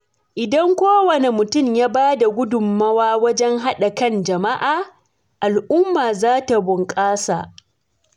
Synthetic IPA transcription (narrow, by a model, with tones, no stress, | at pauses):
ʔɪ˨dɐ˦ŋkʷoː˦wɐ˨ne˨mʊ˨tʊ˦mjaː˦baː˦da˨ɡʷʊ˦dʊ˨mːɐ˦waː˦wɐ˦d͡ʒɛ˦ŋɦa˦ɗa˨kɐ˦nd͡ʒɐ˨ma˦ʔaː˨ | ʔa˨lʔʊ˦mːaː˨zaː˦ta˨bʊ˨ŋkʼaː˦sa̰˨ʔ